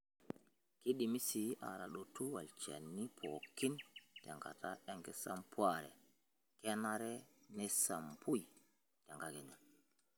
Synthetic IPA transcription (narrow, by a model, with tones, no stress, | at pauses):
ki˦ɗi˨mi˦si˨a̰˨ɾa˨ɗo˨tu˦wa˨lt͡ʃḛ˨nːi˦pʰo˨kːi˦nte˨ŋɡa̰˨ta˦e˦ŋkɛ˦sa˦mpwa˦˨ɾɛ̰˨ | ke˦na˦ɾɛ˦ne˦sa˨mpu˦j | te˨ŋɡa˨ɡe˨nɛ˨